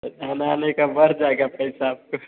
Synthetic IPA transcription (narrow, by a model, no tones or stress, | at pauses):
anaːnekabɐɾd͡ʒaeɡapɐɪsaaːp̚ko